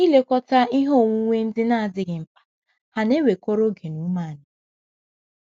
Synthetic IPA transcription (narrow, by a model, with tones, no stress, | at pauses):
i˦le˦kɔ˦ta˦i˦ɦo˦˨ŋʷu˦ŋʷe˦n̩˦dɪ˦na˦˨a˨dɪ˨ɡɪ˨m̩˨pḁ˨ | ha˨ne˦we˨ko˦ɾo˦ɡe˨nu˦ma˦˨nʊ˨